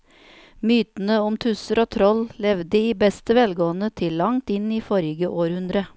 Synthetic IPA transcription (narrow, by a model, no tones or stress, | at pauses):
myːt̪n̩əʊmt̪ʰʉsəɾoːt̪ʰɾɔllɛʋd̪əiːbɛst̪əʋɛlɡoːənət̪ʰɪlːɑŋt̪ɪniːfɔɾɪɡəʔoːɾhʉnd̪ɾə